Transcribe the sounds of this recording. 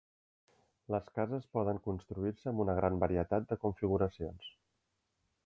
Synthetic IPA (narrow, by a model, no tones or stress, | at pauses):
ləskazəspɔðəŋkunst̪ɾuiɾsəːmunəɣ̞ɾambəɾiət̪at̪̚d̪əkuɱfiɣuɾəsions